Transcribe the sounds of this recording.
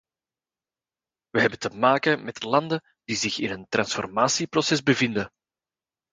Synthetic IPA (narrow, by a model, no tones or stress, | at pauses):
ʋəɦɛbəntəmaːkəmɛtlɑnd̪ə | d̥izɪxɪnɦənt̪rɑnsfɔrmaːsiprɔsɛzbəvɪnd̪ə